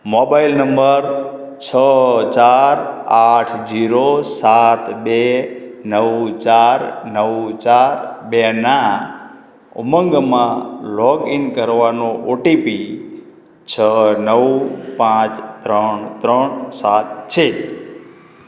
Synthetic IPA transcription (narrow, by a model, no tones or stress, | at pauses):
mɔbailnəmbəɾ | t͡ʃʰət͡ʃaɾaʈʰd͡ʒiɾosat̪benəwt͡ʃaɾnəwt͡ʃaɾbena | ṵməŋɡmãlɔɡinkəɾʋanoʔoʈipi | t͡ʃʰənəpãt͡ʃt̪ɾəɳt̪ɾəɳsat̪t͡ʃʰe